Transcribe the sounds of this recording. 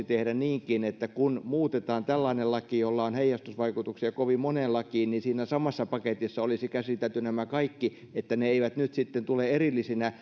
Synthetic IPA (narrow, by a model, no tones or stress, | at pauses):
it̪ehdæniːŋkinet̪ːækunmuːt̪et̪ɑːnt̪ælːɑinellɑkijolːɑonheijːˑɑst̪usʋɑikut̪uksiɑkoʋimmonelɑkiːnninsiːnæsɑmɑsːɑpɑket̪isːɑolisikæsit̪elt̪ynæmækɑikːi | et̪ːæneeiʋæt̪nyt̪sit̪ːent̪uleerilːisinæ